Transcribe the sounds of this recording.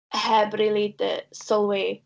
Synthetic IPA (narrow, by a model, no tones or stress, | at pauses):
hɛbrilidə̰sɔlˠwi